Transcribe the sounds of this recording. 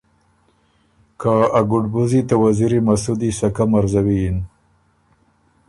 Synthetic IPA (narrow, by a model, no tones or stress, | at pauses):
kaaɡʊɖbuzit̪awaziɾimasud̪isakamaɾzawin